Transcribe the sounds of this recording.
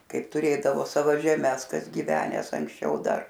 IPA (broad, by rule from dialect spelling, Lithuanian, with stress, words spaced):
ˈkɐɪp tʊˈrʲeːdɐʋoː ˈsɑːʋoː ʒʲɛˈmʲɛs ˈkɐs ɡʲiːʋʲɛˈnʲæːs ɐŋksʲˈt͡ʃʲɛʊ ˈdɐr